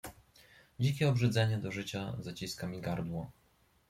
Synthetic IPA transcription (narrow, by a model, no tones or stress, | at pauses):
d͡ʑik̬ʲɛɔbʐɘd̪zɛɲɛd̪ɔʐɘt͡ɕazat͡ɕiskamʲiɡaɾd̪wɔ